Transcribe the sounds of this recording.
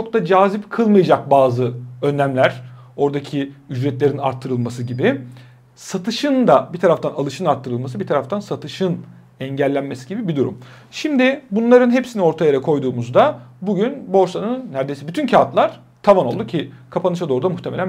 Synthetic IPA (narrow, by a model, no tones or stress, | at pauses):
t͡ʃʰo̞k̚t̪ad͡ʒaːzipkʰɯlˠmɯjad͡ʒak̚baːzɯø̞nːæmlʲæɾ̥ | o̞ɾd̪acʰiyd͡ʒɾɛt̪lʲe̞ɾina̰ɾt̪ʰːɯɾɯlˠmasɯɟibɪ | sat̪ʰɯʃɯnd̪abit̪ʰaɾaft̪ʰanalˠɯʃɯnaɾt̪ʰːɯɾɯlˠmas̬ɯbit̪ʰaɾaft̪ʰansat̪ʰɯʃɯn | ɛɲɟælʲːænme̞siɟibibid̪uɾṵm | ʃimd̪ɪbunlˠaɾɯnɦe̞psinio̞ɾt̪ʰajaɾakʰo̞jd̪uːmuzd̪abuɟynbo̞ɾsanɯnːæɾd̪e̞jsɛbyt̪ʰyncʰat̪lˠaɾ̥ | t̪ʰavano̞lˠd̪ucʰikʰapʰanɯʃad̪o̞ːɾud̪amuht̪ʰe̞me̞lʲæn